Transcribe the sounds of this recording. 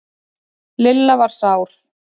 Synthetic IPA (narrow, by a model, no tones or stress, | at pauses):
lɪlːavaɾ̥saːwɾ̥